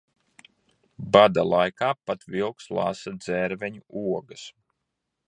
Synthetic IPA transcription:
bad̪alˠajkaːpat̪vilˠkslˠa̰sad̪zɛɾvɛɲuuɔɡas

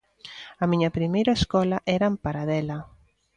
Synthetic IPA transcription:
ɐmiɲɐpɾimejɾɐeskɔlɐʔɛɾɐmpaɾaðɛlɐ

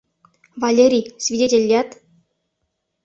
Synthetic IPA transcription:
vɑlʲeɾʲijsʲvʲidʲetʲelʲːet̪

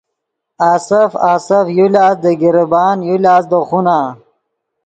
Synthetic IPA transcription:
aːsɐfaːsɐfjulʲaːsd̪əɡiɾbaːnjulaːsd̪əχunaː

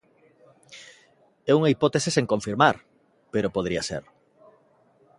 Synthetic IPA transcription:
ɛuŋaipɔt̪eseseŋkõɱfiɾmaɾ | peɾopoðɾiɐsḛɾ

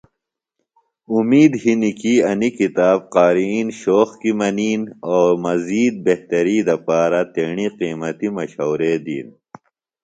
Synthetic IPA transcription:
umiːd̪ɦinikiɐnikit̪aːb̚qaːɾiːnɕoːxkimɐniːnoːɾmɐziːd̪̚beht̪ɐɾiːd̪ɐpaːɾat̪eːɳiqiːmɐt̪imɐɕoːɾed̪ḭːn

